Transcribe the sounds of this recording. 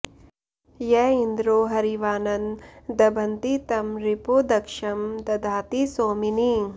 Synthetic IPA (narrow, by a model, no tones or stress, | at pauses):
jɛːind̪ɾoːɦɐɾiʋaːnɐnd̪ɐbʱɐnt̪it̪ɐmɾipoːd̪ɐkʂɐmt̪ɐd̪ʱaːt̪isoːmini